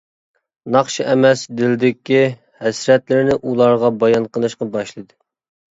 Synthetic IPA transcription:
nɑχʃiʔɛmɛsd̪ɪld̪ɪkʲi | hɛsɾɛt̪lɪɾɪnɪʔulˠɑɾʁɑbɑjɑnqʰəlˠɨʃqɑbɑʃlˠɨd̪ɨ

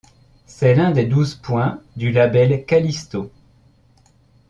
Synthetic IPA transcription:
sɛlɛ̃d̪ed̪uzpwɛ̃d̪ylabɛlkalist̪o

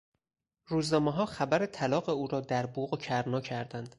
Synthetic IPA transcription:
ɾuːznɒːmeɦɒːxæbæɾet̪ʰælɒːɢe̞uːɾɒːd̪æɾbuːɣocʰæɾnɒːcʰæɾd̪ænd̪̥

